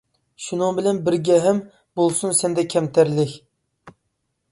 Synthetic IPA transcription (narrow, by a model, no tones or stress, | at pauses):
ʃunɨŋbɪlɛnbɪɾɡʲɛɦɛm | bolˠsunsɛnd̪ɛkʲʰɛmt̪ʰæɾlɪkʲ